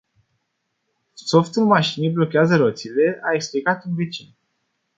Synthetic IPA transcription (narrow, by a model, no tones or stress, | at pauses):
soft̪ɨnmaʃiniblo̞kʲeazəɾot̪sile̞ʔae̞ksplikat̪ɨnve̞t͡ʃin